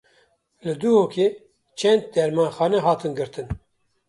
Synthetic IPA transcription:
lɨd̪uhoːkʰe | t͡ʃʰɛnd̪̚d̪ɛɾmɑːnxɑːnɛɦɑːt̪ɨnɡɨɾt̪ʰɨn

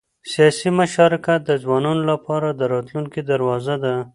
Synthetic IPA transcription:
sijɑsimaʃɑɾɪkat̪̚d̪əzwɑnɑnolapɑɾad̪əɾɑt̪luŋkid̪aɾwɑzad̪a

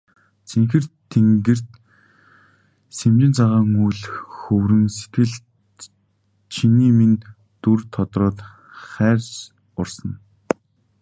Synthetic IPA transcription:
t͡sʰeŋxɘ̆rtʰːeŋɡɘ̆r̥t̪ | semt͡ɕɪ̆nt͡sʰaʁaːŋujɮxɵwɾɘ̆nse̥t̪ɘ̆ɮ | t͡ɕʰiniːmin | t̪urt̪ʰɔt̪rɔːt̪ | χæːrʲs | ʊrsə̆n

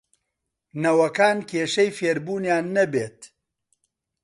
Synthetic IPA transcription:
nɐwɐkaːnkʰeːʃɐjfeːɾbuːnjaːnːɐbeːt̪

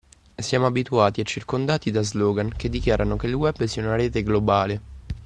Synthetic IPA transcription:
sjaːmoabit̪uaːt̪iat͡ʃːirkond̪aːt̪id̪azloːɡank̟ed̪ːikjaːɾʔanokelwɛbːsiːaunaɾeːt̪eɡlobaːle

